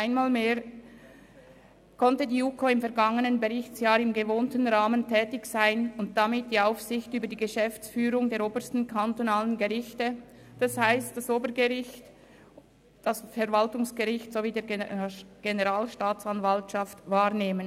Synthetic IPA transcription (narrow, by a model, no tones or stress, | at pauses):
ʔaɪnmaːlmeːʁ | kʰɔntədiːuːkʰoɪmfɛɐʁɡaŋənənbeʁɪçt͡sjaːɾɪmɡəvoːntən̩ʁaːməntʰɛːtɪçsaɪnʊnt̚d̥amɪt̚d̥iːaʊfsɪçtyːbəɾdiːɡəʃɛft͡sfyːʁʊŋdeːɾoːbəɾstn̩kʰantonaːlənɡeʁɪçtə | d̥ashaɪst̚d̥asoːbəɡəʁɪçt | d̥asfɛʁvaltʊŋsɡ̥əʁɪçtsoviːdeːɐ | ɡ̥enəʁaːlʃtaːt͡sanvaltʃaftvaːʁneːmən